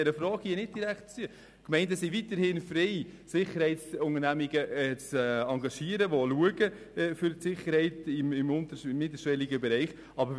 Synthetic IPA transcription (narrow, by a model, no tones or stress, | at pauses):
ɛɾəfɾɑːɡ̥iənɪd̚d̥iɾæktt͡si | kmɛɪndəsiʋitəɾhɪnfɾeɪsɪχːəɾhɛɪtsʊŋəɾnæmiɡəɛt͡sːɑŋɡɑʃiːəɾəʋoluəɡə | fʏɾtsɪχːəɾhɛɪtɪmɪmʊntəmːɪdəʃʋɛliɡəbɛɾɛɪχ | ɑbə